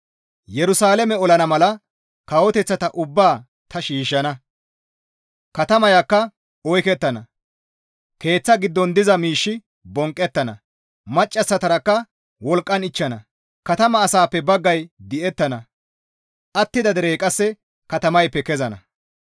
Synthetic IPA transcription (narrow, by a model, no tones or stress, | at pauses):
jɛɾʊsaːlɛmɛɔlɐnɐmɐlɐ | kɐwɔt̪ɛt͡sːɐt̪ɐʔʊbːaː | t̪ɐʃiːʃːɐnɐ | kɐt̪ɐmɐjakːɐ | ɔjkɛt̪ːɐnɐ | ke̞ːt͡sːɐɡɪd̪ːɔnd̪ɪzɐmiːʃːɪ | bɔŋkʼːɛt̪ːɐnɐ̰ | mɐt͡ʃʼːɐt͡sːɐt̪ɐɾɐkːɐ | wɔlkʼːɐnɪt͡ʃːɐnɐ | kɐt̪ɐmɐːsaːpːɛbɐɡːɐjd̪ɪʔɛt̪ːɐnɐ | ʔɐt̪ːɪd̪ɐd̪ɛɾejkʼɐsːɛ | kɐt̪ɐmɐjpːɛkɛzɐnɐ̰